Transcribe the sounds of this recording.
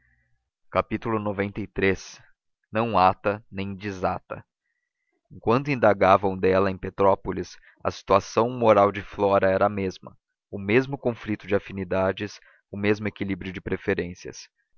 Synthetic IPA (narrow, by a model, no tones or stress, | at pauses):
kapit̪ulʊnovẽnt̪ɐjt̪ɾes | nɐ̃w̃at̪ɐnẽj̃d͡ʒizat̪ɐ̰ | ẽŋkwɐ̃nt̪̬ʊĩnd̪aɡavɐ̃w̃d̪ɛlɐẽj̃pet̪ɾɔpolis | ɐ̰si̥t̪uasɐ̃w̃moɾawd͡ʒɪflɔɾɐɛɾɐɐmezmɐ̰ | ʊmezmʊkõflit̪ʊd͡ʒɪafinid̪ad͡ʒɪs | ʊmezmʊekilibɾjʊd͡ʒɪpɾefeɾẽsiɐ̰s